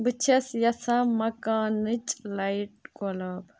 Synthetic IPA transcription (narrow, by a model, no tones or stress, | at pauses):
bɨt͡ʃʰɐsjɐsɐ̃mɐkaːnɨt͡ʃʼlɐjʈ̚ɡolɐb